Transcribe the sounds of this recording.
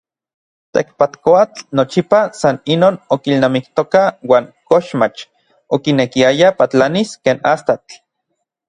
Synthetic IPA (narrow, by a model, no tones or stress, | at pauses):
t̪ḛkpat̪koat͡ɬnot͡ʃipasaninoːnokilnamikt̪okawaːŋkoʃmat͡ʃ | okinekiajapat͡ɬaniskeːnast̪at͡ɬ